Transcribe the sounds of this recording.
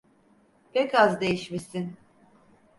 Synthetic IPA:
pʰɛkazd̪e̞jiʃmisin

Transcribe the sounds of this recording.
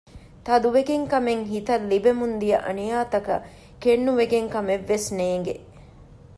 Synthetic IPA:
t̪ɐd̪uʋeɡeŋkɐmeŋɦit̪ɐlːibemund̪ijɐʔɐ̰nijaːt̪ɐkɐ̰ | kenːuʋeɡeŋkɐmeʋːesneːŋɡe

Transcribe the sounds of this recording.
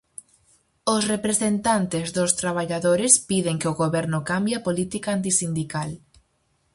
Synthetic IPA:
ʊsrepɾesent̪ant̪ɪzðʊst̪ɾaβaʎaðoɾɪspiðeŋkeoɣoβɛɾnʊkambjapolit̪ikaant̪̬isind̪ikal

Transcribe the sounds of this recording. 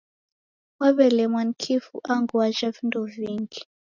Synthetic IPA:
waβɛlɛmwan̩kʰifṵʔaŋɡuaʒavinduviŋɡi

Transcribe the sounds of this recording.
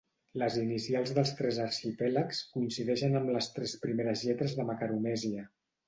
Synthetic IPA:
ləzinisialˠzðəlˠst̪ɾɛzəɾʃipɛləkskuinsiðɛʃənəmləst̪ɾɛspɾimeɾəzʎɛt̪ɾəzðəməkaɾumɛziə

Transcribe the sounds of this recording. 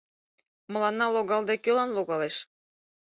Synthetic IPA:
mɤ̆lˠɑnːɑlˠoɣɑlˠd̪ekølɑnloɣɑleʃ

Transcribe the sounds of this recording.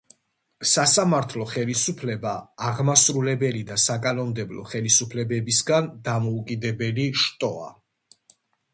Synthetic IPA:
sasamaɾt̪ʰlˠɔχɛlisupʰlɛbaːʁmasɾulɛbɛlid̪asakʼanɔmd̪ɛblɔ̰χɛlisupʰlɛbɛbisɡand̪amɔukʼid̪ɛbɛliʃt̪ʼɔa̰

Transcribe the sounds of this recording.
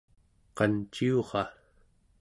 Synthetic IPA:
qɑnt͡ʃioʁɑ

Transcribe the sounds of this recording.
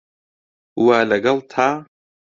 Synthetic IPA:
waləɡɐlt̪ʰa

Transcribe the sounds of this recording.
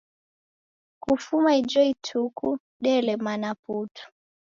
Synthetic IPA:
kufumaid͡ʒɔitʰuku | ɗɛlɛmanaputʰu̥

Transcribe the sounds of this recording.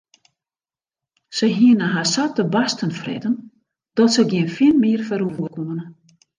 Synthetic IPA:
səjɦiənəɦasatəbastənfrɪ̰dən | d̥ɔtsəɡɪənfiəlmiərfəɾuvuəkumənə

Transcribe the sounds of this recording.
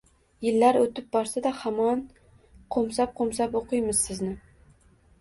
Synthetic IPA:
jɪlːaɾot̪ɪp̚bɒɾsad̪ahamɒn | qʰomsap̚qʰomsapoqʰɨjmɪz̥sɪznɪ

